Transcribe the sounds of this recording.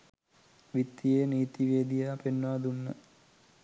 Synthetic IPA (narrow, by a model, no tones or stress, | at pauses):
ʋit̪ːijeːniːt̪iʋeːd̪ijapenːaːd̪unːə